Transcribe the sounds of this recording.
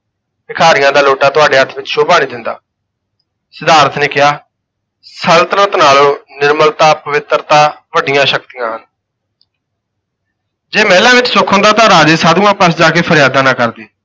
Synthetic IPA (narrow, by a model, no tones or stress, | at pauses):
sɪkʰaːɾɪjãːd̪aːloːʈaːt̪ʊaːɖeːɦət̪ʰʋɪt͡ʃʃoːpaːɽ̃iːd̪ɪnd̪a̰ː | sɪd̪aːɾət̪ʰneːkɪɦaː | səlt̪əɾəət̪naːloːnɪɾməlt̪aːpəʋɪt̪ɾt̪ãːʋəɖɪjãːʃək̚t̪ɪjãːɦən | d͡ʒeːmɛːlãːʋɪt͡ʃsʊkʰõːnd̪aːt̪ãːɾaːd͡ʒeːsaːd̪uːãːpəsd͡ʒaːkeːpʰəɾɪjaːd̪ãːnãːkəɾd̪eː